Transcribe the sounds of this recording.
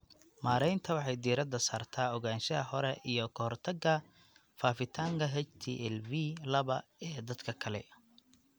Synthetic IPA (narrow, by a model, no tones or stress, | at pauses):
maːɾɛjnt̪ʰɐwɑħɑjd̪iːɾɐd̪ɐsaːrt̪ʰaːɔɣaːnʃɐɐhɔɾɛʔijɞkʰɐhɔrt̪ʰɐɡɐ | faːfɪt̪ʰaːŋkʰɐɦɛt͡ʃt̪ʰḭːʔɛlvilɐβɐɛːd̪ɐd̪kʰɐkʰɐlɛ̰